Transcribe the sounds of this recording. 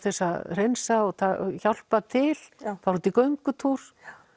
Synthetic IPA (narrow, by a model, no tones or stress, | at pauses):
θɛsːaðr̥ejnsaɔt̪ʰa̰çal̥pat̪ʰɪlθawɾut̪ikœɥŋkʏt̪ʰuɾ̥